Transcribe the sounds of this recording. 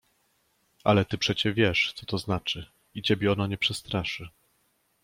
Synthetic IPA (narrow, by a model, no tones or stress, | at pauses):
ʔa̰lɛt̪ɘpʂɛt͡ɕɛvʲjɛʂt̪sɔt̪ɔznat͡ʂɘ | it͡ɕɛbʲjɛɔnaɲɛpʂɛst̪ɾaʂɘ